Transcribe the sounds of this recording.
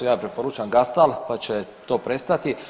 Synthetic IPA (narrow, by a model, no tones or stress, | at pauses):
jaːpɾepo̞ɾut͡ʃamɡast̪alpat͡ɕe | t̪o̞ːpɾe̞st̪at̪i